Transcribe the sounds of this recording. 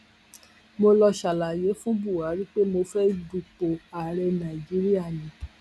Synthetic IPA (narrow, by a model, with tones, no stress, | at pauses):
mo˧lɔ˧ʃa˨la˨je˨˦fũ˦bu˦˨wa˨˦ɾi˦k͡pe˦mo˧fɛ˦bu˨k͡po˨a˨ɾɛ˧nã˨i˨d͡ʒi˦ɾi˦a˦˨nĩ˨˦